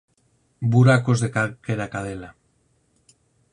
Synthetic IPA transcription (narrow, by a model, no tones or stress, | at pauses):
buɾakozðekakeɾakaðela